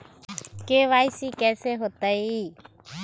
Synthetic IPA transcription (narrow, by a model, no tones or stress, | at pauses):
keːʋaːjsiːkɛːseːɦoːt̪əiː